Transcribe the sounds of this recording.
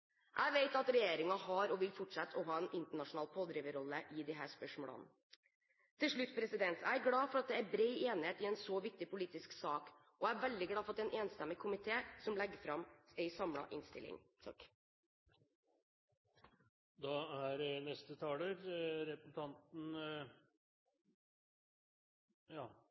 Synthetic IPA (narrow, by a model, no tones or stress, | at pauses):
ʔæɪʋeɪt̪ɑt̪ɾɛjeːɾɪŋɑhɑɾɔʋɪlfɔʈʂɛt̪ːʰɔɦɑːɛnʔɪnt̪əɳɑʂʊnɑːlpʰoːd̪ɾiːʋəɾɔlːəʔɪd̪ɪɦæːspœʂmoːlə̰n | t̪ʰɪlʂɭʉt̪ːpʰɾɛsɪd̪ɛnt̪æɡlɑːfɔɾɑt̪̚d̪ɛæbɾeɪeːnɪheːt̪ɪɛnsɔʋɪk̚t̪ɪpʊliːt̪ɪsksɑːk | ʔɔæɾʋɛld̪ɪɡlɑːfɔt̪ːɛɪnʔeːnst̪ɛmːɪkʰʊmɪt̪ʰeːsɔmlɛɡːəfɾɑmɛɪsɑmlɑ̰ʔɪ̰nst̪ɪ̰lɪ̰ŋt̪ʰɑk | d̪ɑhæɾnɛst̪ət̪ʰɑːləɾɾɛpn̩t̪ʰɑnt̪n̩ | jɑː